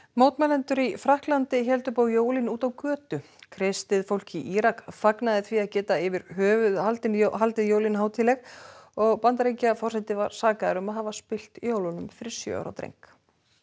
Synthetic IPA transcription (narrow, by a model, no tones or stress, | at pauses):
moːwt̪mɛlɛnt̪ʏɾifɾahklant̪ɪçɛlt̪ʏpawjoːwlinuːt̪awkœːt̪ʏ | kʰɾest̪ɪðfowl̥ciʔiɾakfaknaðɪθviaðcɛːt̪aɪvɪɾhœːvʏhalt̪ɪnɦalt̪ɪðjowlinɦaːwt̪ʰɪlɛɣɔɣpant̪aɾejcafɔrsɛnt̪ɪvaɾ̥saːkaðaɾʏmaðhavaspɪl̥t̪joːwlʏnʏmfɪɾɪɾ̥sjœ̰ːa̰ɾa̰wt̪ɾḛjŋk